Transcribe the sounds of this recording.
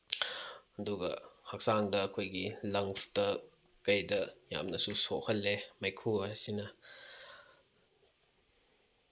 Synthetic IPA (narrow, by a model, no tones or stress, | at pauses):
ɐduɡɐ̰hɐk̚saŋdɐːkʰojɡilɐŋstɐ | kːɐjdɐja̰mnɐsusohɐlːemɐjkʰuɐsinɐ